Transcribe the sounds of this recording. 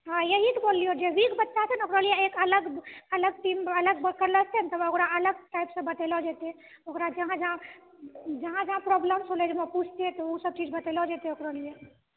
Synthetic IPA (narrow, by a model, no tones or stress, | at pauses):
ɦãjəɦit̪bolːijod͡ʒeʋikbətːʃat͡ʃʰənokɾəlieekələɡələɡ̚ʈimələɡ̚bəkəɾləst̪ent̪əbokɾaələɡ̚ʈajpsə̃bət̪elɔd͡ʒat̪e | okɾad͡ʒəɦãd͡ʒəɦã | d͡ʒəɦãd͡ʒəɦãpɾɔbləmsɦoled͡ʒeməput͡ʃʰt̪et̪ɔusəb̚t͡ʃid͡ʒbət̪elɔd͡ʒat̪eokɾəlije